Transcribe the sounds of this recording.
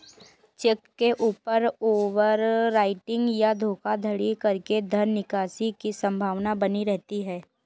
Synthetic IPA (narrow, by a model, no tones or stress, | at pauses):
t͡ʃɛkːeʔuːpəɾoːʋəɾɾaːɪʈɪ̃ŋɡjad̪ʱoːkad̪ʱɐɽikɐɾked̪ʱɐɾnɪkaːsikisɐ̃mbʱaːʋnabɐniɾɛɦt̪iɦɛː